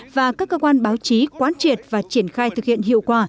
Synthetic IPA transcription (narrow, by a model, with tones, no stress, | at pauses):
vaː˨˩kaː˦˥kːəː˧kwaː˧nɓaː˨˦wt͡ɕi˨˦kwaː˨˦nt͡ɕi˨˩ət̚vaː˨˩t͡ɕi˧˩ənxaː˧jt̪ʰɨ˨˩k̚hḭ˧˨ənhɦḭ˧˨əwkwaː˧˩